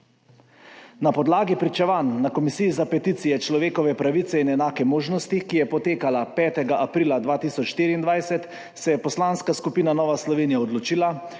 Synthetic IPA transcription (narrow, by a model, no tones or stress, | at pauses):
napɔd̪laːɡipɾit͡ʃɛʋanːakɔmisiːzapɛt̪it̪sijɛt͡ʃlɔʋeːkɔʋɛpɾaʋit̪sɛinɛnaːkɛmoːʒnɔst̪ikijɛpɔt̪eːkalapɛːt̪ɛɡaʔapɾiːlad̪ʋaːt̪iːsɔt͡ʃʃt̪iːɾiːnd̪ʋajsɛt̪ | sɛjɛpɔslaːnskaskupiːnanɔːʋaslɔʋeːnijaɔd̪lɔt͡ʃiːla